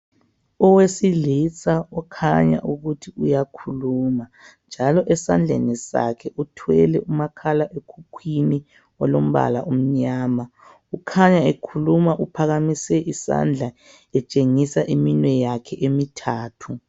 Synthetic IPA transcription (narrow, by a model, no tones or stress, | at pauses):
ɔwesilit͡sʼaɔkʰa̰ɲa̰ʔuɣutʰiujakʰuluːmand͡ʒʱalɔʔɛsand͡ɮʱḛnisa̰kʰɛʔutʰwɛlɛumakʰalaʔekʰukʰwini | ɔlom̩βa̰la̰ʔom̩ɲaːma | ukʰaɲaekʰulumaʔupʰaɣamisɛʔisa̰nd͡ɮʱa | ɛt͡ʃʼeŋisaʔiminwɛjakʰɛʔemitʰaːtʰu